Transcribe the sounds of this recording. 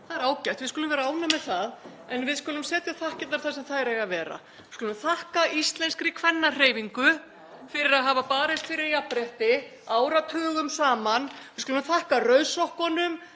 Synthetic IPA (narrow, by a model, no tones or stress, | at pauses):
θaðɛɾaːwcajht̪vɪðskʏlʏmvɛɾaaːwnamːɛðθað | ɛnvɪðskʏlʏmsɛːt̪jaθahcɪt̪aɾθasɛmθaðɛɾeɣavɛːɾa̰ | ɪskʏlʏmθahkaist̪lɛnskɾɪkʰvɛnːar̥eːjviŋkʏ | fɪɾɪɾaðɦaːvapaːɾɛst̪fɪɾɪɾjapɾɛht̪ɪaːwɾat̪ʰœːɣʏmsaːmanvɪ̥kʏlʏmθahkarœɥsɔhkɔnʏm